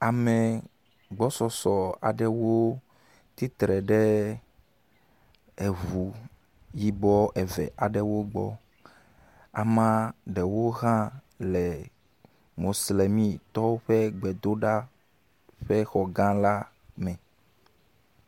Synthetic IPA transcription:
a˨mɛ̃˨ | ɡ͡bɔ˦sɔ˨sɔ˨a̰˨ɖɛ˦wo˦ | t̪i˦t̪ɾɛ˨ɖɛ˦ | e˨vu˨ | ji˦bɔ˦ʔɛ˨vɛ̰˨ʔa˨ɖɛ˦wo˦ɡ͡bɔ̰˦ | a̰˨mã˦ɖɛ˨wo˦ɣã˦ | lɛ˨ | mo˨sle˨mĩ˦t̪ɔ˦wo˦ɸe˦ɡ͡bɛ˨d̪o˦ɖa˦ | ɸɛ˦xɔ˨ɡã˦la˦ | mɛ̃˨

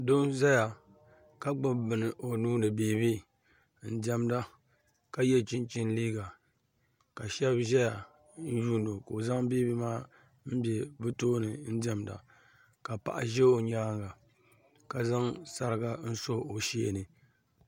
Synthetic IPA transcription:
do˦ʒɛ˦ja˨ | ka˦ɡ͡bʊ˦bɨ˨nɨ˨ʔo˨nuː˦nɨ˨biː˨bi˦ | n̩˦dɛ˦mda˦ | ka˦jɛ˦t͡ʃi˦nt͡ʃɪ˦nliː˦ɡa˨ | ka˨ʃɛ˦bʒɛ˦ja˨ | n̩˦juː˦n˦do˨ko˨za˦ŋbi˦bi˦maː˦ | m̩˦bɛ˨bɨ˦toː˦nɨ˨n̩˦dɛ˦mda̰˨ | ka˨pa̰˨ʔa̰˨ʒɛ˦o˨ɲaː˦ŋɡa˨ | ka˨za˦ŋsa˦ɾɨ˦ɡa˦n̩˦so˦o˨ʃi˦ḛ˨nɨ˨

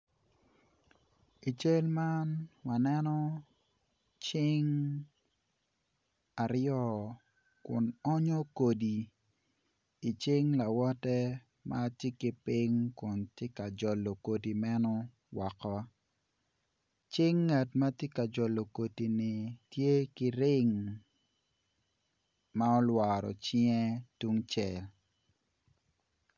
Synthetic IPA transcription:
i˨t͡ʃe˦lma˦nwa˨nɛ˦nɔ˦ | t͡ʃɪ˦ŋ | a˨ɾjɔ˦˨ | kʊ̰˨nɔ˦ɲɔ˦ko˨di˨ | i˨t͡ʃɪ˦ŋla˨wɔ˦tɛ˦ | mʔa˦tɪ˦ki˦pɪ˦ŋkʊ˨ntje˦ka˨d͡ʒɔ˨lːo˨ko˨di˨mɛ˦nɔ˦ | wɔ˨kɔ˦ | t͡ʃɪ˦ŋːa˨tma˦tje˦ka˨d͡ʒɔ˨lo˨ko˨ti˨nɪ˨tje˦ki˦ɾɪ˦ŋ | ma˦ɔ˦lwa˨ɾɔ̰˨t͡ʃɪŋɛ˦tu˦ŋt͡ʃɛ˨l

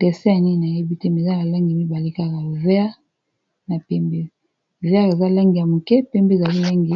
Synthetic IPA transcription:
tɛ˨sɛ˦ja˨ni˦˨n˨a˨je˦bi˦te˦˨mi˨za˦a˨la˦ŋɡi˨mi˦ba˨li˦ka˦˨ka˨vɛ˦a˦ | na˨pɛ˦mbe˦ | vɛ˦a˦e˨za˦la˦ŋɡi˨ja˨mu˨kɛ˦pɛ˦mbe˦˨za˨li˦la˦ŋɡi˨

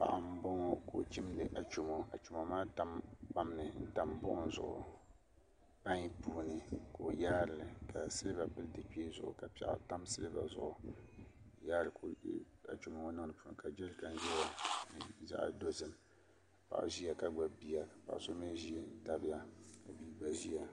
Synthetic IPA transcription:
pa̰˨ʔa˨m̩˦bɔ˦ŋ˦ko̰˨t͡ʃi˦mdɨ˨ʔa˨t͡ʃu˨mo˦a˨t͡ʃu˨ma˨maː˦ta˨mpa˨mnɨ˨n̩˦ta˨m˦bʊ̰˦ʔʊ˦n̩˦zʊ̰˨ʔʊ̰˨ | pa˦ɲi˦puː˦nɨ˨ko˨jaː˦ɾɨ˨lɨ˨ka˨sɨ˦lɨ˦ba˨pɨ˦ldɨ˨k͡pi˦e˦zʊ̰˨ʔʊ̰˨ka˨pɛ˨ʔa̰˨ta˦msɨ˦lɨ˦ba̰˨zʊ̰˨ʔʊ˨ | jaː˦ɾɨ˨ko˨˦a˨t͡ʃu˨mo˨o˦nɨ˦ŋ˨nɨ˨pu˦˨n˨ka˨d͡ʒɛ˦lka˦n˦ʒɛ˦la˦n˨za̰˨ʔdo˦zɨ˨m˨ | pa̰˨ʔʒi˦ja˨ka˦ɡ͡ba˨bi˨ja˨ka˨pa̰˨ʔso˦mɨ˦n˦ʒi˦a˨n̩˦ta˨bja˦ka˨bi˦ɡ͡ba˨ʒi˦ja˨

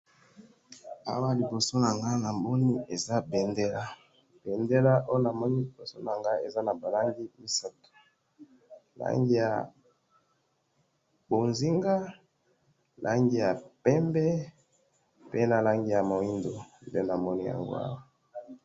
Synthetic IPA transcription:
a̰˦wa˦˨li˨bo˨so˦na˨ŋɡa˦na˨mɔ˦ni˦e˨za˦be˨nde˦la˦ | b̥e˨nde˦la˦ʔo˦jo˦na˨mɔ˦ni˦li˨bo˨so˦na˨ŋɡa˦e˨za˦na˨ba˨la˦ŋɡi˦mi˦sa˦to̥˨ | la̰˦ŋɡi˦ja˨ | bo˨nzi˦ŋɡa˦ | lʔa̰˦ŋɡi˦˨ja˨pɛ˦mbɛ˦ | pe˦na˨la˦ŋɡi˦ja˨mo˨i˦ndo˨nde˦na˨mɔ˦ni˦ja̰˨ŋɡo̰˦a̰˦wa˨

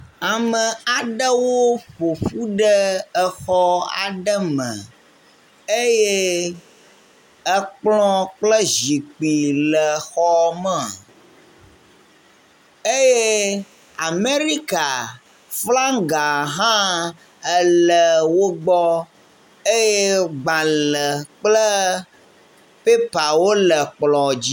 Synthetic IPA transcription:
a˨mə˨a˨ɖə˦wo˦ɸo˨ɸu˦ɖə˦ə˦xɔ˦a̰˨ɖə˦mə̰̃˨ | e˦je˦ | ə˦k͡plɔ̃˦k͡plə˦ʒi˨k͡pi˨lə˨xɔ˦mə˦a̰˨ | e˦je˦ | a˨me˦ɾi˦ka˨ | fla˦ŋɡa˨ɦã˦ | ə˦lə˨wo˦ɡ͡bɔ˦ | e˦je˦ɡ͡ba˨lə˨k͡plə˦ | pe˦pa˨wo˦lə˨k͡plɔ˨d͡ʑi˦

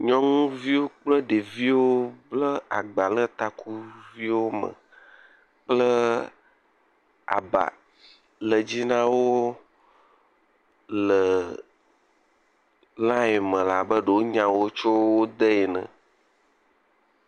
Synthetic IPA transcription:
ɲɔ̃˦ŋũ˦vi˦wo˦k͡plə˦ɖe˨vi˦wo˦blə˦a˨ɡ͡ba˨lə˦t̪a˨kʰu˦vi˦wo˦mə̰̃˨ | k͡plə˦ | a̰˨ba̰˨ | lə˨d͡ʑi˦nã˦wo˦ | lə˨ | lã˦e˨mə̃˨la˨bə˦ɖə˨wo˦ɲã˨wo˦t͡ʃo˦wo˦d̪ə˦e˨nə̰̃˨

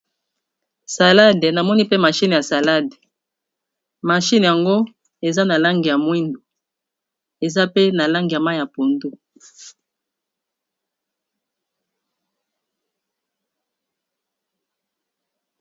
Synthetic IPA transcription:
sa˨la˦de˨na˨mɔ˦ni˦pe˦ma˨ʃi˦n˨ja˨sa˨la˦de˨ | ma˨ʃi˦n˨ja˨ŋɡo˦ | e˨za˦na˨la˦ŋɡi˨ja˨mwi˦ndo˨ | e˨za˦pe˦na˨la˦ŋɡi˨ja˨ma˦jja˨po˨ndu˦

